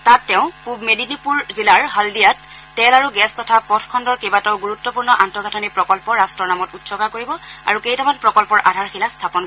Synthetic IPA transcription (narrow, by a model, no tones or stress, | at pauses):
tatːɛʊ̃pubmedinipuɹzilaɹɦaldijatː | ɛlaɹuɡɛstɔtʰapɔtʰkʰɔndɔɹkebatɔʊɡuɹutːɔpuɹnɔʔantɔɡʱatʰɔnipɹɔkɔlpɔɹastɹɔɹnamɔtutsɔkakoɹibɔa̰ɹukejtamanpɹɔkɔlpɔɹʔa̰dʱaɹxilastʰapɔn